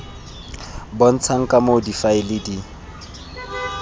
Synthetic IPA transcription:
bɔn̩t͡sʰaŋ̩kʼamodifaɪlɪdi

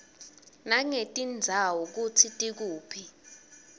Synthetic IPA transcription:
naŋetʼind͡zʱawɔk̬utʰitʼik̬uːpʰi

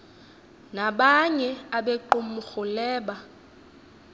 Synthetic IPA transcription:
naɓaɲɛaɓeǃumuxulɛːɓa

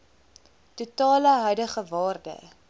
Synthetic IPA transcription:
tutɑːləɦœɥdəχəvɑːrdə̰

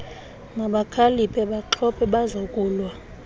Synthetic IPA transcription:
naɓakʰalipʰʼɛɓaǃʰɔpʰʼɛɓazokʼuːlwa

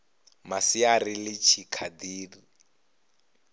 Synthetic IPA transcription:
masiarilɪt͡ʃʰikʰad̪iːri

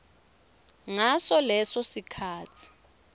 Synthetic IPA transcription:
ŋasɔlɛsɔsikʰaːt͡sʰi̥

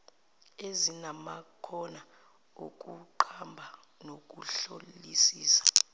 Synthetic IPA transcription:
ezinamakʰɔna | o̰k̬ʼuǃʰambʱa | nok̬ʼuɬo̰lisiːsḁ

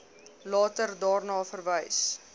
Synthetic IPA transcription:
lɑːtərdɑːrnɑːfərvəjs

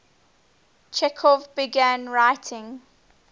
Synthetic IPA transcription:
t͡ʃʰɛkʰɔvbɪɡæ̃nɹaɪtʰɪ̃ŋ

